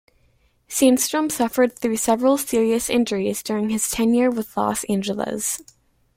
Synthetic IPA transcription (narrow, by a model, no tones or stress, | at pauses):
sĩnstɹ̥ə̃msʌfə˞d̪̚θɹʉsɛvɹl̩ˠsɪɹiɨsɪ̰̃nd͡ʒə˞izdʊɹɪ̃ŋɨz̥tʰɛ̃njɪɹwəðlɔ̰sɪ̃nd͡ʒəl̩ˠə̰z̥